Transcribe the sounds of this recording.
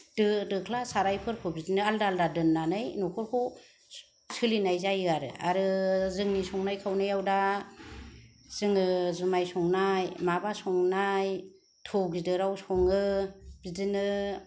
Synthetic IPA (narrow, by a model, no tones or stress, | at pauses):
d̥ɯdɯkʰlasaɾajpʰɯɾkʰɯbidɯnɯaldaaldadɯnːanɯjnɔkʰɔɾkʰɔ | sɯlinajzajɯaɾɯa̰ɾɯzɯŋnisɔŋnajkʰawnajawda | z̥ɯŋɯzumajsɔŋnajmabasɔŋnaj | tʰɔwɡidɯɾawsɔŋɯb̥idɯnɯ